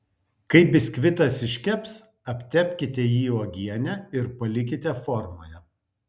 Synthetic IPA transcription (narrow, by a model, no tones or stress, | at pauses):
kɐɪbʲɪsʲkʲʋʲɪt̪ɐsɪʃʲkʲɛpʲs | ɐpʲt̪ʲɛpʲkʲɪt̪ʲɛjiːoːɡʲiɛnʲɛɪɾpɐlʲɪk̬ʲɪt̪ʲɛfɔɾmoːjɛ